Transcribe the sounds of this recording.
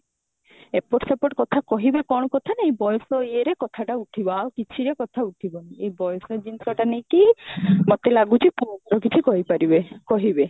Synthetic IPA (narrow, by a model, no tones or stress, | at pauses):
epoʈsapoʈkɔt̪ʰakɔɦibekɔɽ̃ɔkɔt̪ʰaneejbɔjɔsɔieɾekɔt̪ʰaʈauʈʰibɔawkit͡ʃʰiɾekɔt̪ʰauʈʰibɔnaejbɔjɔsɔd͡ʒint̪ʰɔʈanejkimot̪elaɡut͡ʃʰikuɔk̪ɔɾɔkit͡ʃʰikɔɦipaɾibekɔɦibe